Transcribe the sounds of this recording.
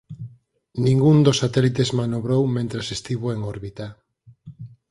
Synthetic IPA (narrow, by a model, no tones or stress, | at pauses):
nĩŋɡund̪osat̪ɛlit̪ezmanoβɾowmẽnt̪ɾasest̪iβ̞oeŋoɾβit̪a